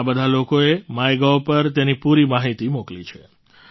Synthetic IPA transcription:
bəd̪ʱalokoemajɡaopəɾt̪enipuɾimaɦit̪imoklit͡ʃʰe

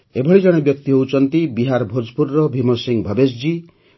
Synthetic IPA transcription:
ebʱɔɭid͡ʒɔɽ̃ebjɔk̚t̪iɦowt͡ʃʰɔnt̪ibiɦaɾbʱod͡ʒpuɾːɔbʱimosiŋbʱɔbesd͡ʒi

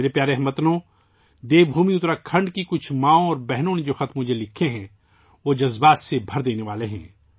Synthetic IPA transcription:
eːɾepjaːɾeɦɛmɐt̪nõ | d̪eːbʱuːmiʊt̪ɾakʰɐ̃ɳɖkikʊt͡ʃʰmãːõɔːɾbɛɦnõned͡ʒoːxɐt̪ʰmʊd͡ʒʱelɪkʰːeɦɛ̃ | ʋod͡ʒɐzbaːt̪sebʱɐɾd̪eːneʋaːleɦɛ̃ː

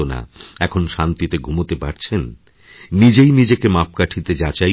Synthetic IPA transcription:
ona̰ɛkʰonʃant̪it̪eɡʱumot̪epaɾt͡ɕʰenː | id͡ʑejnid͡ʑekemap̚kaʈʰit̪ed͡ʑat͡ɕaj

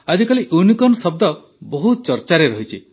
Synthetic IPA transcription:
ad͡ʒikaliʔunikɔnsɔb̚d̪ɔ | bɔɦut̪t͡ʃɔɾt͡ʃaɾeɾɔɦit͡ʃʰḭ

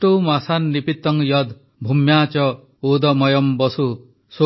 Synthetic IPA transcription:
ʈomasanːipit̪ːɔŋjɔd̪ | bʱumjat͡ʃɔ | od̪ɔmɔjɔmbɔsu | so

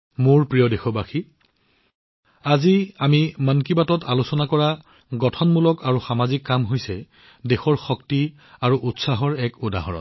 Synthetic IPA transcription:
moɹpɹijɔdexɔbaxi | aziamimankibatɔtalusɔnakɔɹa | ɡɔtʰɔnmulɔkaɹuxamazikːamɦojsɛ | dexɔɹxɔkti | aɹuʔutsaɦɔɹɛkuda̰ɦɔɹɔ̰n

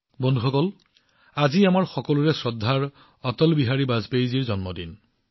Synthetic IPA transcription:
bɔndʱuxɔkɔl | aziamaɹxɔkɔluɹɛsɹɔdʱːaɹ | ɔtɔlbiɦaɹibazpejziɹzɔnmɔdin

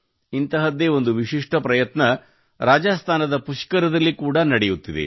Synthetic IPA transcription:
int̪ɐɦɐd̪eːo̞nd̪uʋiʃiʂʈɐpɾɐjɐt̪nɐ | ɾaːd͡ʒaːst̪ʰaːnɐd̪ɐpuʂkɐɾɐd̪ɐlːikuːɽɐnɐɽejut̪ːid̪ḛ

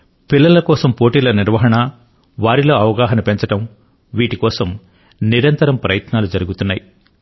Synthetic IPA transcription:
pilːɐlɐkɔːsɐmpo̞ːʈiːlɐniɾʋɐɦɐɳɐ | ʋaːɾilo̞ːɐʋɐɡaːɦɐnɐpe̞ɲt͡ʃɐʈɐm | ʋiːʈikɔːsɐm | niɾɐnt̪ɐɾɐmpɾɐjɐt̪naːlud͡ʒɐɾuɡut̪unːaːji

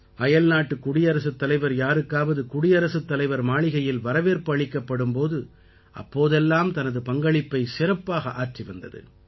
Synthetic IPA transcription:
ʔɐjɐlnaːʈːɯkʊɽɪjɐɾɐsɯt̪ːɐlɐɪʋɐɾjaːɾɯkːaːʋɐðɯkʊɽɪjɐɾɐsɯt̪ːɐlɐɪʋɐɾmaːɭɪɣɐjɪlʋɐɾɐʋeːɾpɐɭɪkːɐpːɐɽɯmpoːðɯ | ʔɐ̰pːoːðɛlːaːmt̪ɐnɐðɯpɐŋɡɐɭɪpːɐɪsɪɾɐpːaːɣɐʔaːʈriʋɐnd̪ɐðɯ̰

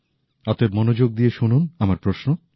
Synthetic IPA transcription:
at̪oebmonod͡ʑoɡ̚d̪ijeʃununamaɾpɾoʃno

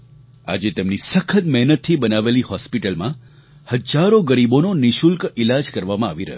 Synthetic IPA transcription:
a̰d͡ʒet̪emnisəkʰət̪mɛɦnət̪ʰːibənaʋelihɔspiʈəlmã | həd͡ʒaɾoɡəɾibononiʃulkɪlad͡ʒkəɾʋamãaʋiɾə̰ɦ

